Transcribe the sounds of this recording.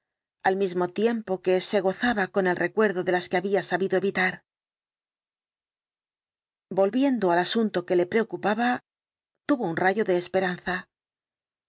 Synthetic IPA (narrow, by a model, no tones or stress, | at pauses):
almizmo̞t̪je̞mpo̞ke̞se̞ɣ̞o̞θaβako̞ne̞lre̞kwe̞ɾðo̞ðe̞laske̞aβiasaβiðo̞e̞βit̪aɾ | bo̞lβje̞nd̪oalasunt̪o̞ke̞le̞pɾe̞o̞kupaβa | t̪uβo̞unraʝo̞ðeːspe̞ɾan̟θa